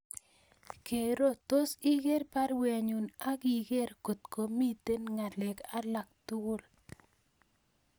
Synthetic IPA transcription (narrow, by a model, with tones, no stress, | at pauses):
ke˨ɾo˦t̪o˦si˦ɡe˦ɾpa˦ɾwa˨ɲu˨na˦ɡi˨ɡe˦ɾko˨t̪ko˨mi˦t̪e˦nŋa˨lɛ˨ka˦la˨k̚t̪u˦ɾ